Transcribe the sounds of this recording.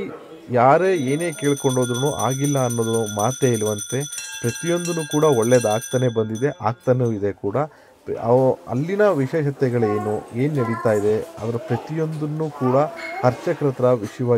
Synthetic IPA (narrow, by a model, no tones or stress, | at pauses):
jaːɾeːe̞ːne̞ːkeːɭko̞ɳɖo̞ːd̪ɾunuʔa̰ːɡilːɐːnːo̞ːd̪ɐnumaːt̪eːilʋɐnt̪e̞pɾɐt̪ijo̞nd̪unukuːɽɐoɭːed̪aːɡ̚t̪ɐne̞bɐnd̪id̪e̞ʔaːɡ̚t̪ɐnuid̪e̞kuːɽɐ | ɐ̰lːinɐʋiʃeːʃɐt̪ɛɡɐɭe̞ːnue̞ːnnɐɽit̪aːjid̪e̞ɐ̰d̪ɐɾɐpɾɐt̪ijo̞nd̪unːukuːɽɐhɐɾt͡ʃɐkɾɐt̪ɾɐʋiʂjɐʋaː